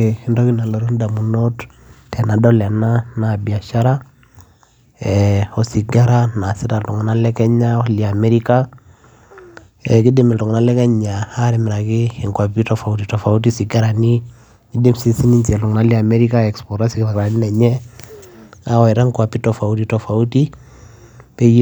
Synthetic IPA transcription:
i˨ndɔ˦ki˦na˨lɔ˨ɾu˦nda˨mu˨no˦t | tʰɛ˨na˨dɔ˦lɛ˨na˦na˨bi˨a˨ʃa˦ɾa˦ | ɛɔ˨si˨ɡa˦ɾa˦na˨si˦ta˨ltu˨ŋ˨na˦lɛ˦kɛ˦ɲa˦lia˨mɛ˦ɾika˦ | ɛ˨ki˦dɪ˦mɪ˨lu˨ŋ˨na˦lɛ˦kɛ˦ɲa˨a˦ɾɛ˨mɪ˨ɾa˨kɪ˦ɪ˨ŋkwa˨pi˦tɔ˨fa˨u˦titɔ˨fa˨u˦t̬i˦si˨ɡa˦ɾa˨ni˦ | ɡi˦di˦msi˦si˦ni˦ɲt͡ʃɛ˨lu˨ŋna˦li˦a˨mɛ˦ɾi˦ka˦ɛ˨kspɔ˨ɾa˦si˦kɾa˨kɾa˨ni˦nɛ˨ɲɛ˦ | a˦wɔ˨ɛ˨ɾa˦ŋkwa˨pi˦tɔ˨fa˨u˦ti˦tɔ˨fa˨u˦ti˦ | pɛ˦

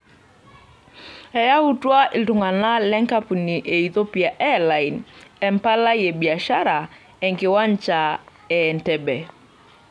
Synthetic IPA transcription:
ɛ˨ja˦u˦twa˦ɪ˨ltʊ˨ŋa˨na˦lɛ˦ŋka˦pu˨ni˨ʔe˨i˨to˦pi˨a˨ʔɛ˦la˨i˨nɛ˦mpa˦la˦je˨bi˨a˨ʃa˦ɾa˨ | ɛ˨ŋkɪ˨wa˦nt͡ʃa˨ | ɛ˨ntɛ˨bɛ˨

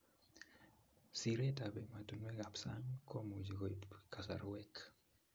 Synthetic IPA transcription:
si˨ɾe˦tabɛ˨ma˨tu˨nwɛ˦ɡa˨psa̰˦ŋkʰo˦mu˨d͡ʒi˨ɡo˨ipka˨sa̰˨ɾwɛk

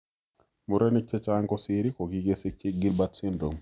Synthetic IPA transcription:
mʊ˨ɾe˦ni˦k̚t͡ʃɛ˦t͡ʃaŋkɔ˦siɾi˦ko˨ɡiɡesik̚t͡ʃi˦ɡi˦lbatsɪ˦ndo˨m

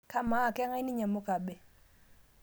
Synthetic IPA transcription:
ka˦ma˦˨kɛ˦ŋa˦i˦ni˦ɲa˨mʊ˦ka˨bɛ˨

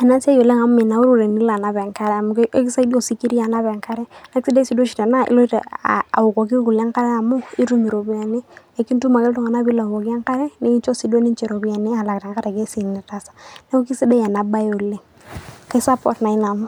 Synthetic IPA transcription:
ɛ˨na˦sa˦jo˨le˦ŋa˨m˦i˨na˨˦u˦ɾu˦˨ɾe˨ni˦la˨na˦bɛ˨ŋka˦ɾɛ˨a˨mʊ˨kki˦sa˦di˦o˦˨si˦ki˦ɾi˦a˨na˦βɛ˨ŋka˦ɾɛ˦na˦ksi˦de˦si˨do˦ʃi˨ta˨na˦ḭ˦lɔ˦i˦ta̰˨a̰˨ʊ˨kɔ˨ɡi˦ku˨la˦ŋka˦ɾɛ˦a˨mʊ˦i˦ɾu˦mi˨ɾo˨bi˦a˨ni˦e˨ki˦ntu˦ma˨kɛ˦lʊ˦ŋa˨na˦bi˦la˨kɔ˨ki˦a˦ŋka˦ɾɛ˦ne˦i˦t͡ʃɔ˦si˨do˦ni˦nt͡ʃɛ˨ɾo˨bi˦a˨nɪ˦a˨la˨ta˨ŋka˦ɾɛ˨ke˦si˨nɛ˨ta˦sḁ˨ne˦u˦ki˦si˦de˦ja˨na˨ba˦jo˨le˦ | ka˦sa˦pɔ̰˨tna˨ɪ˦na˨mʊ˦

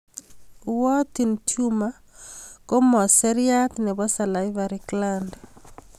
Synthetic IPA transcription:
wɔ˦t̪i˨ntju˦ma˦ | ko˦mɔ˨sɛ˦ɾja˦t̪nɛ˨bɔ˦sa˨la˨ɪvaɾikland

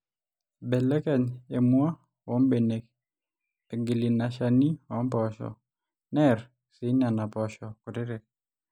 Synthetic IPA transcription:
bɛ˨lɛ˦kɛ˨ɲe˨mʊ˦a˦ | wo˦mbe˨ne˨k | eɡi˨li˨na˨ʃa˨ni˦ɔ˦mpɔʃɔ̰˨ | nɛr | sɪ˦ɲa˨na˨pɔʃɔ˨ku˨ti˦ɾe˨k̚

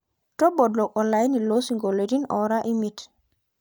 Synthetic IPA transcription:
tɔ˦bɔ˨dlɔ˨kɔ˨nla˨jni˨lo˦si˨ŋɡo˨le˨di˦nɔ̰˨ɾa˦ʔi˦mi˨t

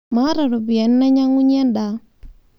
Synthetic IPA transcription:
ma˦ɾa˨ɾo˨bi˨a˨n˦na˦ɲa˦ŋu˦ɲ˦ɛ˦nda˨

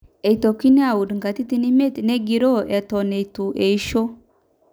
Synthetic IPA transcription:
e˨i˨t̪o˨ki˦ne˦a˨wu˨dŋka˨t̪i˦t̪i˦ni˦me˦t̪ne˦ɡi˨ɾo˦ʔe˨t̪o˨ne˨it̪u˨ʔe˨i˦ʃo˦

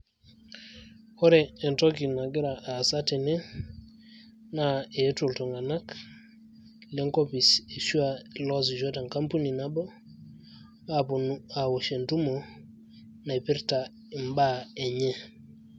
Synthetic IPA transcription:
o˦ɾeː˨nto˦ki˨na˨ɡi˦ɾa˨ʔa˨sa˦te˨ne˦ | na˦e˨˦tu˨lto˨ŋa˨na˦k | le˦ŋko˦pi˨se˨su˦a˨lo˦s̬i˨d͡ʒo˦ta˨ŋka˦mpu˦ni˨na˦bo˦ | apu˨na˨wo˨ʃe˨ntu˦mo˨ | na˨i˨pi˦ɾta˨ | i˨mba˦e˨ɲe˦

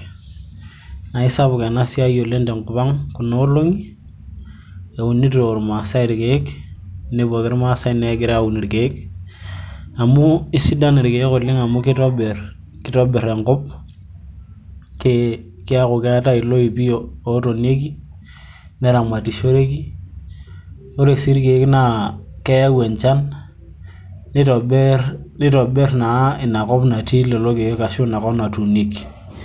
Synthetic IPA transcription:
na˨i˦sa˦bu˨ke˨na˦si˦a˦jo˨le˦nte˨ŋkʊ˨pa˦ŋku˨no˦o˦lo˦ŋi˦ | e˨u˨ni˦tɾo˨ɾma˨sa˦i˨ɾi˨ke˨˦kne˦bu˨a˨kɪ˦ɾma˦sa˦i˨ne˦ɡɪ˦ɾa˦u˨ni˨ɾi˨ke˨i˦k | a˨mu˦i˦si˦da˦ni˨ɾke˨i˦ko˨lɪ˦ŋa˨mu˦ki˦to˦be˨r | ki˦to˦be˨ɾe˨ŋkʊ˦p̚ | ke˦ | kɪ˦a˦ku˨ke˦ta˦i˨lo˦i˨pi˦oː˨˦to˨ne˦ki˦ | ne˦ɾa˨mʷa˨ti˨ʃo˦ɾe˦ki˦ | o˦ɾe˨si˦ɾke˨˦kna˨ke˦ja˦we˨ɲt͡ʃa˦n | i˦to˨bɛ˦ɾni˦to˨be˦ɾna˨˦i˨na˨kɔ˦pna˨ti˦le˨lo˦ke˨jo˦ka˨ʃu˦na˨kɔ˦na˨tu˨ni˦k

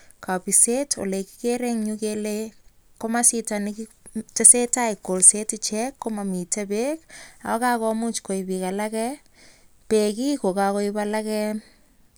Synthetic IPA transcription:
ka˨pi˨se˦to̰˨le˨ki̥˦ke˦ɾe˦ŋɲuke˦leko˦masi˦ta˨nikte˦se˦ta˦i˨ko˨lse˦tt͡ʃɛ˦kːo˦ma˨mi˨ta˦be˦ka̰˨wa˦ka˦kɔ˦mu˦t͡ʃko˨ibika˨la˦kɛ˦ | pe˨ki˦ko˨ka˨ko˦ibala˦kɛ

